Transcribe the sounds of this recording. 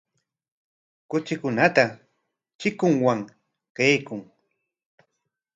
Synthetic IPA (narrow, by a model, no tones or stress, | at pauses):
kʊt͡ʃɪkʊnat̪a | t͡ʃɪkʊŋwaŋ | kajkʊŋ